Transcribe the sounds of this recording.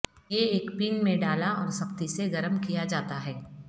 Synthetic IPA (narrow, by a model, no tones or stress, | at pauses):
jeeːkpiːnmẽɖaːlaɔːɾsɐqt̪iseɡɐɾəmkijad͡ʒaːt̪aɦɛː